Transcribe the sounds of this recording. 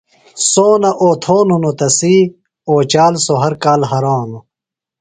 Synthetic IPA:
soːnɐʔoːt̪ʰoːnonot̪ɐsiː | oːt͡ɕaːlsoɦɐɾkaːlɦɐɾaːno

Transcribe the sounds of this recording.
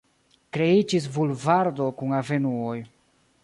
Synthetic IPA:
kɾe̞id͡ʒis̬bulvaɾdo̞kuŋave̞nuoj

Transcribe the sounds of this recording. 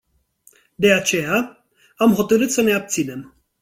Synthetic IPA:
d̪e̞at͡ʃe̞ja | amɦo̞t̪əɾɨt̪səne̞ab̚t̪sine̞m

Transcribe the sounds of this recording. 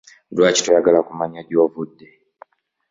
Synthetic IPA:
duat͡ʃi̥tɔjaɡalakumaɲaɟiwɔvudːɛ

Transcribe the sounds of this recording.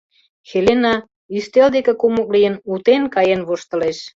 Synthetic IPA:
xelenɑ | yst̪eld̪ekĕkumɤklijənut̪enkɑjenβoʃt̪ə̆leʃ

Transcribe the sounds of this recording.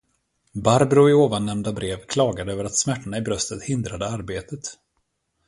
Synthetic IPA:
baɾbɾʊɪoːvanːɛmnd̪abɾeːvkʰlɑːɡad̪əøːvəɾat̪smæʈːaɳaɪbɾœst̪ət̪hɪnd̪ɾad̪əaɾbeːt̪ət̪

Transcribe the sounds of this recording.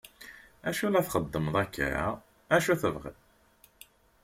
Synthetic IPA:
æʃulæθχəd̪ːəmðˤækːa̰ɾa̰ | æʃuθəvʁə̰ð

